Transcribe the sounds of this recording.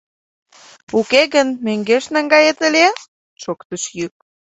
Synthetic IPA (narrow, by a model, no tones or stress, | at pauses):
ukeɣənmøŋɡeʃnæŋɡɑjet̪əlʲe | ʃokt̪əʃjyk̚